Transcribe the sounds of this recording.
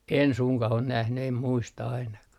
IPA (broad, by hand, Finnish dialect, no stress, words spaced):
en suŋkɑh on næhny em muistɑ ɑinɑkɑh